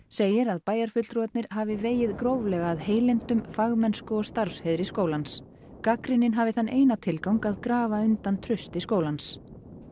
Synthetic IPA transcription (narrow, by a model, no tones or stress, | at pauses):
seːjɪɾaðpaːjaɾ̥fʏt̪lt̪ɾɔt̪nɪɾ̥ɦavɪveːjɪðkɾowvlɛɣaːðheːjlɛnt̪ʏmfaɣmɛnskʏɔst̪aɾ̥fshɛðɾɪskoːwlans | kakɾɪnɪnɦavɪθanːʔeːjnat̪ʰɪlkawŋkaðkɾaːvaʏnt̪ant̪ʰɾʏst̪ɪskoːwlans